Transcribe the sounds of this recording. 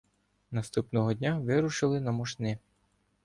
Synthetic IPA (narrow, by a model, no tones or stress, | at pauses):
nɐst̪upnɔɦɔdʲnʲaʋɪɾʊʃɪlˠɪnɐmɔʃnɪ